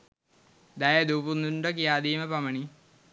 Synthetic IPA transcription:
d̪ɐjɐd̪upunːundok̬ijaːd̪iːmɐpɐmɐɳi

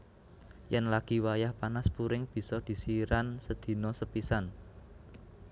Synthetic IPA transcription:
jɛnlaɡ̥i̤wajahpanaspuɾɪŋb̥i̤sɔd̪̥i̤siɾansəd̪̥i̤nɔsəpisan

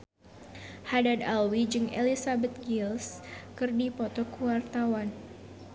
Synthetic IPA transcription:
hadad̪alwid͡ʒɨŋḛlisabɛt̪̚ɡilskɨrdipɔt̪ɔkuwart̪awan

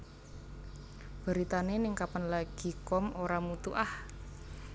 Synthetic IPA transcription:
b̥ə̤ɾit̪anenɪŋkapənlaɡ̥i̤kɔmoɾamut̪uʔah

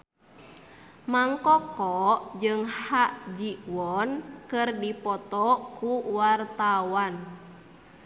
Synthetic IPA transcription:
maŋkɔkɔʔd͡ʒɨŋhaʔd͡ʒiʔwɔnkɨrdipɔt̪ɔkuwart̪awan

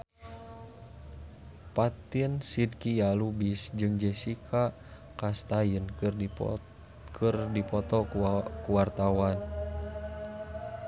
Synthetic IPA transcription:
pat̪iənsid̚kijalubisd͡ʒɨŋd͡ʒɛsikʰa | kast̪ajənr | kʰɨrdipɔt̪ɔkuwart̪awan

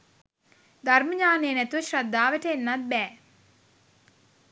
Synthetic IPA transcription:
d̪arməɲaːnejənæt̪uʋəʃrad̪ːaːʋəʈəenːat̪̚bɛː

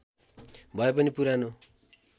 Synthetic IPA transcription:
bʱʌepʌnipuɾano

